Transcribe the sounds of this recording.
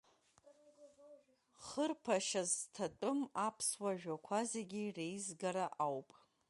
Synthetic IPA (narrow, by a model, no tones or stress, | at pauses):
χərpʰaʃaztʰatʷʼʊmapʰswaʒᶣakʷʰazeɡʲirejzɡaɾaʔawpʼ